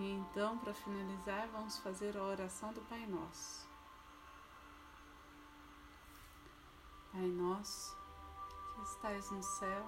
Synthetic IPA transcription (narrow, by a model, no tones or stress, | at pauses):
ẽnt̪ɐ̃w̃pɾɐfinalizaɾvɐ̃mʊsfazeɾɐoɾasɐ̃w̃d̪ʊpajnɔs | pajnɔs | kʰɪɪst̪ajznʊsɛw